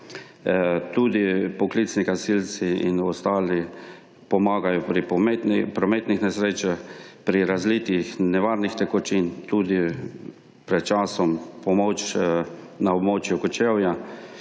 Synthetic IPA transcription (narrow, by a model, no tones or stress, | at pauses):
t̪uːd̪ipɔklit̪snikasilt̪siḭnɔst̪aːli | pɔmaːɡajɔpɾipɾɔmeːt̪nixnɛsɾeːt͡ʃaxpɾiɾazlit̪ixnɛʋaːɾnixt̪ɛkɔt͡ʃint̪ud̪i | pɾɛt̪̚t͡ʃasɔmpɔmɔːt͡ʃ | naɔbmoːt͡ʃjukɔt͡ʃewja